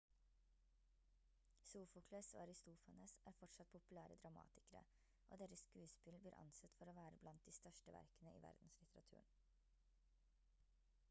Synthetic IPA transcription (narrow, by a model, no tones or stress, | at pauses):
suːfʊkʰlɛso̰ːɑɾɪst̪uːfɑnəːsæːɾfɔʈʂɑt̪̚pʰʊpʉlæːɾəd̪ɾɑmɑ̰ːt̪ɪ̥kəɾə̰ | ʔo̰ːd̪eːɾəsskʉːspɪlbliːɾʔɑ̰nsɛt̪fɔɾoːʋæːɾəblɑnt̪̚d̪iːst̪œʃʈəʋæ̰ɾkənəʔḭːʋæ̰ɾd̪n̩slɪt̪əɾɑ̰t̪ʰʉ̰ːɳ